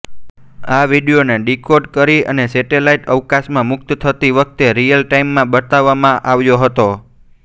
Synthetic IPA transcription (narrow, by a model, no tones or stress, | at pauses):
aʋiɖijoneɖikoɖkəɾiə̰neseʈelaiʈəʋkasmãmʊk̚t̪t̪ʰət̪iʋək̚ʰt̪eɾijəlʈaimːãbət̪aʋːamãʔaʋjoɦət̪o